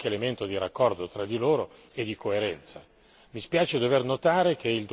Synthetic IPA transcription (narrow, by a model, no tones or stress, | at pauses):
keːlement̪od̪iɾakːɔrd̪ot̪ɾad̪ːiloːɾo | ed̪ːikoeɾɛnt̪sa | mispjaːt͡ʃed̪overnot̪aːɾek̟ʰeild̪